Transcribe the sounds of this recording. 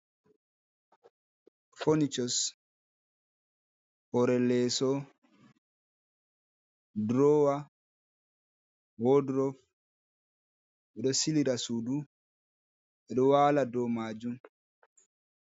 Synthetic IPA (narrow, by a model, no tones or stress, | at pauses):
fɔnit͡ʃɔs | hɔɾɛlːɛːsɔ | dɾɔwa | hɔdɾɔf | ʔɛɗɔsiliɾasudu | ʔɛɗɔwaːladɔmaːd͡ʒum